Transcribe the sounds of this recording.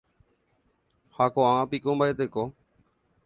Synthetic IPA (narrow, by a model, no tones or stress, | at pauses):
hakoããpikõmbaet̪eko